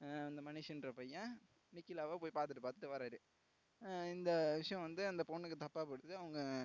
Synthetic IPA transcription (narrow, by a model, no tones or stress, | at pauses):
ɐnd̪ɐmɐnɪʂɪnɾɐpɐjã | nɪkːɪlaːʋaːpoːjipaːɾt̪ɯʈːɯpaːt̪ɯ̥ʈːɯʋɐːɾaːɾɯ | ɪnd̪ɐʋɪʂɐjɐ̃ʋɐnd̪ɯɐnd̪ɐpoɳːɯkːɯt̪ɐpːaːpɔɽɯt̪ːɯɐʋɐŋɡɐ